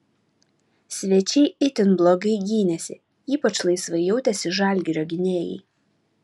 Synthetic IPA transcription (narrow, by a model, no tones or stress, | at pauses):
sʲʋʲɛt͡ʃʲɛɪʔɪt̪ʲɪnblˠoɡɐɪɡʲiːnʲɛsʲɪ | iːpɐt͡ʃlˠɐɪsʋɐɪjɛʊt̪ʲɛsʲɪʒɑˑlʲɡʲɪɾʲoːɡʲɪnʲeːjɛ̰ɪ